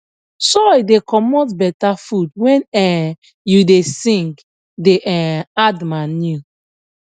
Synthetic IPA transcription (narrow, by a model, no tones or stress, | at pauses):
sɔidekɔmɔtbɛtafudwɛ̃nɛ | judesĩŋk | deʔɛadmãnju